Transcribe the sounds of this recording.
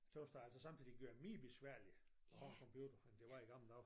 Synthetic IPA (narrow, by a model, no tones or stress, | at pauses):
t͡sʰosd̥ɑæl̰sɒsɑ̈mt͡sʰið̰ˠiɡ̥øɐ̰miːb̥e̝sʋæɐ̰liɒɑkʰɒmpʰjuːd̥ɐend̥e̝ʋɑ̈iɡ̥ɑ̈m̰l̩d̥ɑʊf